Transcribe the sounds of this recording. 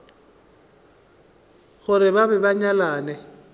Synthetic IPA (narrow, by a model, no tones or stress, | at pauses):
ɣʊɾɪbabɛbaɲalaːnɛ